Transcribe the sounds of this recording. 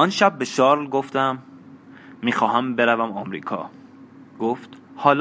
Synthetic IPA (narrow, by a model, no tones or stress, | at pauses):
ɒnʃæb̚ːeʃɒːɾlɡoft̪æmː | iːxɒːɦæmbe̞ɾævæmɒmɾḭːkʰɒ̰ː | ɡoft̪hɒːl